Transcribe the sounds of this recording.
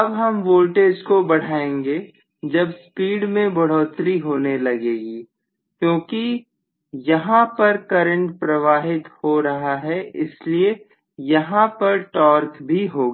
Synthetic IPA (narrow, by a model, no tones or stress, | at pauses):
ɐbɦɐmʋoːlʈeːd͡ʒkobɐɽ̤aːẽːŋɡe | d͡ʒɐbspiːɽmẽbɐɽ̤ɔːt̪ɾiɦoːnelɐɡeːɡiː | kjõːki | jɐɦãpɐɾkɐɾə̃ɳʈpɾɐʋaːɦɪt̪hoɾɐɦaɦɛɪslie | jɐɦãpɐɾʈɔːɾkbʱiɦoːɡaː